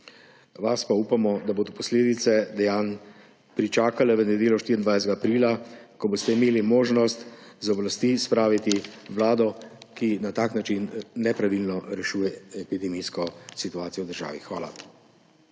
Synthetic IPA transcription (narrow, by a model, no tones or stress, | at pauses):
ʋaspaupamɔd̪aboːd̪ɔpɔsleːd̪it̪sɛd̪ɛjaːn | pɾit͡ʃaːkalɛʋənɛd̪eːlɔʃt̪iɾind̪ʋajsɛt̪ɛɡaːpɾiːlakɔboːst̪ɛimeːlimoːʒnɔst̪zɔblast̪ispɾaːʋit̪iʋlaːd̪ɔkinat̪aːknat͡ʃinnɛpɾaʋilnɔɾɛʃuːjɛɛpid̪ɛmiskɔsit̪uaːt̪ijɔwd̪əɾʒa̰ːʋixʋa̰ːla̰